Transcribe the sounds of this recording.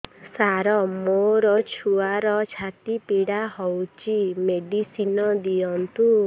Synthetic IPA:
saɾɔmoɾɔt͡ʃʰuaɾɔt͡ʃʰat̪ipiɽaɦɔwt͡ʃimeɖisinɔd̪ijɔnt̪u

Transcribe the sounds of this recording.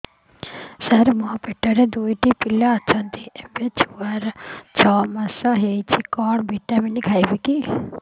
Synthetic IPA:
sɐɾmɔpeʈːəɾed̪uiʈipilːaːt͡ʃʰɔnt̪iembet͡ʃʰuʋaɾt͡ʃʰɔːmɐsɔɦet͡ʃʰikɔːɽbʱiʈːaminiɡʰʱajbiki

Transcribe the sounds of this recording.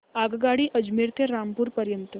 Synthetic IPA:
aɡɡaɽiːʔəd͡ʒmiɾt̪ʰeɾampuːɾpəɾjənt̪ə

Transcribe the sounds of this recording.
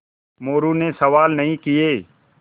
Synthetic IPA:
moːɾunesɐʋaːlnɐɦĩkijeː

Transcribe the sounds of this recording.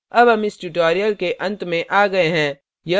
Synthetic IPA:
ɐbɦɐmɪsʈuʈoːɾijəlkeʔɐ̃nt̪mẽʔaːɡɐeɦɛ̃ː | jɐ

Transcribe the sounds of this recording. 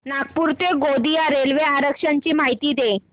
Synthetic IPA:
nak̚puɾt̪eɡod̪ijaɾelʋeaɾəkʂaɲt͡ɕiːmaɦit̪iːd̪e

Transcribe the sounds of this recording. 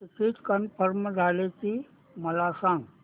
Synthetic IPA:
ikiːtkənpʰəɾmd͡zʱaleki | məlasãŋɡ

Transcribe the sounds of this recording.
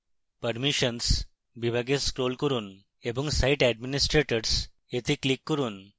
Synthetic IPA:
pəɾmiɕəns | bibʱaɡeskɾolkəɾuːn | ebəŋɡsaiʈæɖminisʈɾeʈəɾs | et̪ʰiːklikːəɾuːn

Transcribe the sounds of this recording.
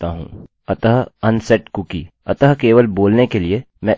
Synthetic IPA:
aɦṵ̃ː | ɐt̪əɦɐnsɛʈkʊki | ɐt̪əɦkeːʋəlboːlnekelie | mɛ̃

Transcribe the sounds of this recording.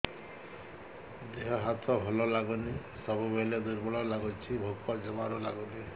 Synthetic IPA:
d̪eɦɔɦat̪ʰɔbʱɔlɔlaɡɔni | sɔbubeled̪uɾbɔɭɔlaɡɔt͡ʃʰibʱoɡ̚pad͡ʒɔmaɾɔlaɡɔni

